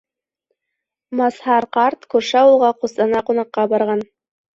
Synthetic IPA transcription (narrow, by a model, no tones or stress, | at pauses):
mɑshɑɾqɑɾt̪kʉɾʃæulˠʁɑqusɑnɑqunɑqːɑbɑɾʁɑn